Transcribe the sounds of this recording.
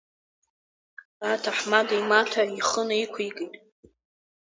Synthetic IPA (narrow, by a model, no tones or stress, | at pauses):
atʰaħmadajmatʰaiχənaikʷʰikʼijtʼ